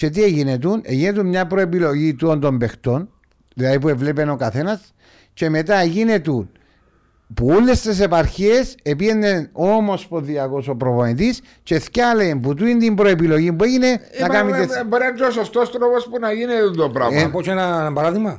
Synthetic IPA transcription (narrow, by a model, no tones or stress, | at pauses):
t͡ʃe̞t̪̬ieʝinet̪uneʝinet̪̬ummɲɐpɾoepilo̞ʝit̪uont̪o̞mbe̞xt̪o̞n | ðilɐðip̬ue̞vlepeno̞kɐθe̞nɐs | t͡ʃe̞me̞t̪aeʝinet̪un | puolːe̞st̪es̬e̞paɾçeesepiendenomospoðiɐko̞so̞pɾo̞voit̪is | t͡ʃe̞θcalemput̪uint̪imbɾoepilo̞ʝimbue̞ʝine̞nɐkɐamit̪ebɾend͡ʒosost̪ost̪ɾopospunɐʝinet̪und̪opɾa̰pot͡ʃenɐbaɾaðiɣmɐ